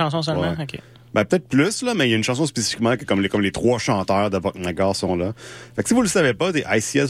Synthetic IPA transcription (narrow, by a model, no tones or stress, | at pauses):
ɑ̃s̬ɔ̃s̬əlwmaɛ̃okʲḛ | bɛ̃pø̥ət̪ɛɪt̪̚plyslʌmɛjaynʃɑ̃s̬ɔ̃spesi̥fi̥kmãkəkʌmlekɔmlet̪χwaʃɑ̃ːt̪œːʁd̪əbɔk̚naɡɑːʁsɔ̃lʌfaksivuləsavepʌt̪eʔajsiɛ